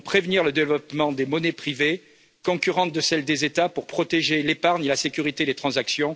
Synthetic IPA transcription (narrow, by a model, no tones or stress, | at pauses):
pχevniʁləd̪evlɔpmɑ̃d̪emɔnɛpχive | kɔ̃kʲyʁɑ̃t̪̚d̪əsɛld̪ezet̪apuʁpχɔt̪eʒelepaʁɲelasekʲyʁit̪ed̪et̪χɑ̃zaksjɔ̃